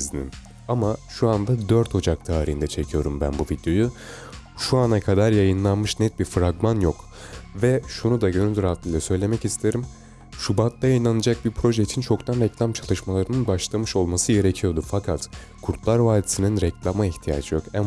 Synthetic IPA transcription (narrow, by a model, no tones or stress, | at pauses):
zinḭm | amaʃuand̪ad̪øɾt̪ʰo̞d͡ʒak̚t̪ʰaːɾiind̪ɛt͡ʃʰe̞cʰijo̞ɾumbæ̰nbuvid̪jo̞ju | ʃuanakʰad̪aɾjajɯnlˠanmɯʃnɛt̪̚biɾfɾaɡmanjok | vɛʃunud̪aɟøɾynd̪ʲyɾat̪lɯjlʲˠɛsø̞jlʲe̞mɛcist̪ʰe̞ɾim | ʃubat̪lˠajajɯnˠanɯd͡ʒak̚biɾpʰɾo̞ʒeit͡ʃʰint͡ʃʰo̞kt̪ʰanɾɛclʲamt͡ʃʰalˠɯʃmalˠaɾɯnɯnbaʃlˠamɯʃo̞lˠmasɯɟe̞ɾe̞cʰijo̞ɾd̪ufakʰat̪ | kʰuɾt̪ʰlˠaɾvaːd̪isininɾɛclʲamaiçt̪ʰija̰ːd͡ʒɯjo̞kɛm